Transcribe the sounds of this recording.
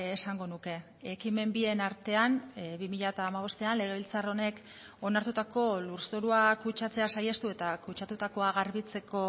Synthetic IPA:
saŋɡo̞nuke̞ | ekime̞mbie̞naɾt̪e̞anβimiʎaet̪aːmaβ̞o̞st̪e̞anle̞ɣ̞e̞β̞ilt͡saro̞ne̞k | o̞naɾt̪ut̪ako̞luɾso̞ɾuakut͡ʃat͡se̞asaje̞st̪ue̞t̪akut͡ʃat̪ut̪ako̞aɣaɾβit͡se̞ko̞

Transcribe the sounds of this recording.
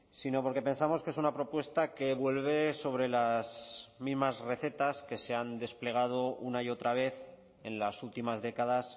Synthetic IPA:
sino̞po̞ɾke̞pe̞nsamo̞ske̞sunapɾo̞pwe̞st̪ake̞βwe̞lβ̞e̞so̞β̞ɾe̞lasmizmazre̞θe̞t̪aske̞se̞and̪e̞sple̞ɣ̞að̞o̞unaio̞t̪ɾaβ̞e̞θ | e̞nlasult̪imazðe̞kað̞as

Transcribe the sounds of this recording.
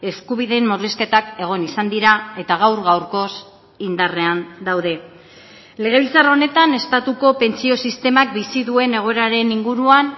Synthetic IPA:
e̞skuβ̞iðe̞mːoriske̞t̪ake̞ɣ̞o̞nisand̪iɾae̞t̪aɣ̞awɾɣawɾko̞s | ind̪are̞and̪awðe̞ | le̞ɣ̞e̞β̞ilt͡sarao̞ne̞t̪ane̞st̪at̪uko̞pe̞nt͡sio̞sist̪e̞mak̚bisiðue̞ne̞ɣ̞o̞eɾaɾe̞niŋɡuɾuan

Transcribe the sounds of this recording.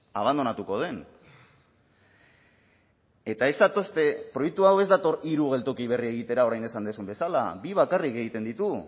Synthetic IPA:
aβ̞and̪o̞nat̪uko̞ð̞e̞n | e̞t̪ae̞zd̪at̪o̞st̪e̞pɾo̞jek̚t̪uawe̞zd̪at̪o̞ɾiɾuɣ̞e̞lt̪o̞kiβ̞e̞rie̞ɣ̞it̪e̞ɾao̞ɾajne̞sand̪esumbe̞sala̰biβ̞akarike̞ɣit̪e̞nd̪it̪u

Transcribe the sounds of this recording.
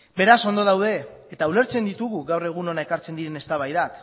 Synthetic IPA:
be̞ɾaso̞nd̪o̞ðawðe̞ː | t̪aule̞ɾt͡se̞nd̪it̪uɣuɣawre̞ɣ̞uno̞nae̞kaɾt͡se̞nd̪iɾe̞ne̞st̪aβajðak

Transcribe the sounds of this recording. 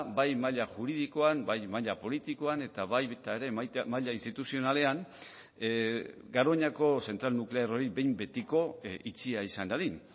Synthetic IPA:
bajmaʎaʝuɾiðikoanbajmaʎapo̞lit̪iko̞ane̞t̪aβajβet̪aeɾe̞maʎainst̪it̪usio̞nale̞an | ɡaɾo̞ɲako̞se̞nt̪ɾalnukle̞aro̞ɾibe̞jmbe̞t̪iko̞it͡siaisand̪aðin

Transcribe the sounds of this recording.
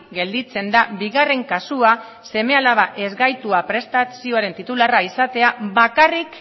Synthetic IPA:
ɡe̞ld̪it͡se̞nd̪abiɣare̞ŋkasua | se̞me̞alaβaʔe̞zɣajt̪uapɾe̞st̪asio̞aɾe̞nt̪it̪ularaisat̪e̞aβakarik

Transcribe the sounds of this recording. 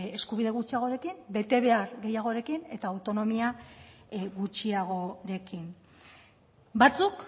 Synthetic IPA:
e̞skuβiðe̞ɣut͡ʃiaɣ̞o̞ɾe̞kimbe̞t̪e̞βe̞aɾɣe̞jaɣ̞o̞ɾe̞kine̞t̪aːwt̪o̞no̞mia | ɣut͡ʃiaɣ̞o̞ɾe̞kim | bat͡suk

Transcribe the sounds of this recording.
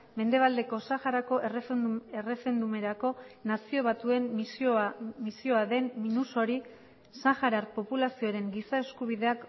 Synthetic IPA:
me̞nd̪e̞β̞ald̪e̞ko̞saxaɾako̞ʔere̞re̞fe̞nd̪ume̞ɾako̞nasio̞β̞at̪ue̞msmisio̞aðe̞nminuso̞ɾi | saxaɾaɾpo̞pulasio̞ɾe̞ŋɡisae̞skuβ̞iðe̞ak

